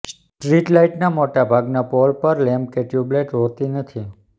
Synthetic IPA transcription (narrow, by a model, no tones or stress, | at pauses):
s | ʈɾiʈlaiʈnamoʈabʱaɡnapɔlpəɾlɛmb̚keʈjubleʈɦot̪inət̪ʰi